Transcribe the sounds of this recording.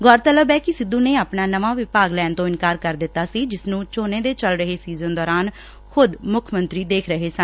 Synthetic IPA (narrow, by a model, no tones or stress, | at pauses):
ɡɔːɾt̪ələbɛːkɪsɪd̪ːuːneːaːpnaːnəʋaːʋɪpaːɡlɛːnt̪õːɪnkaːɾkəɾd̪ɪt̪ːaːsiːd͡ʒɪsnũːt͡ʃoːnẽːd̪eːt͡ʃəlɾəɦeːsiːzə̃nd̪ɔːɾaːn | xʊd̪mʊkʰmənt̪ɾiːd̪eːkʰɾəɦeːsən